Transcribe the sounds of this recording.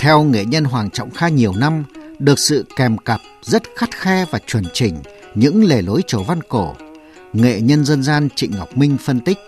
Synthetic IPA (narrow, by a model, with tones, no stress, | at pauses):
t̪ʰɛ˧wŋḛ˧˨ɲə˧nɦwaː˨˩ŋt͡ɕɔ̰˧˨wŋ͡mxaː˧ɲi˨˩əwna˧mɗɨ˨˩ək̚sɨ̰˧˨kɛ˨˩mkə˨˩p̚zə˦˥t̚xa˦˥t̚xɛ˧vaː˨˩t͡ɕwə˨˩nt͡ɕï˨˩ŋ̟ | ɲɨ̰˧˥ŋle˨˩lo˨˦jt͡ɕo˧˩va˧nko˧˩ | ŋḛ˧˨ɲə˧nzə˧nzaː˧nt͡ɕḭ˧˨ŋ̟ŋa˨˩wk͡p̚mï˧ŋ̟fə˧nt̪ï˦˥k̚